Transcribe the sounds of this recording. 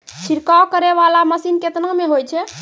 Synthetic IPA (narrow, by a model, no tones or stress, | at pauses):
t͡ʃʰiɾkaokəɾɛʋalaməsinket̪nameɦojt͡ʃʰɛ